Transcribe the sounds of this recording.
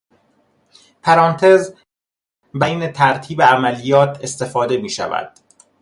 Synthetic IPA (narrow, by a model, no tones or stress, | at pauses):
pʰæɾɒːnt̪ʰe̞z | bæjnet̪ʰæɾt̪ʰiːbeæmælijɒːt̪ʰe̞st̪e̞fɒːd̪e̞miːʃæ̰væ̰d̪̥